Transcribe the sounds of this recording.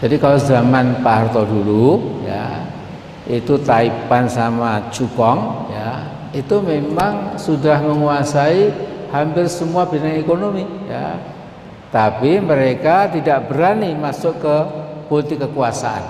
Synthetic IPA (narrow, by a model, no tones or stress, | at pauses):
d͡ʒadikalozamanpaɦart̪ɔduluja̰ | it̪ut̪aipansamat͡ʃukɔŋja̰ | it̪umemaŋsudahməŋuasaihampɪrsəmuab̥inaŋekonomija̰ | t̪apiməɾekat̪idaʔb̥əɾanimasʊʔkəpolit̪ɪkːəkuasa̰ʔa̰n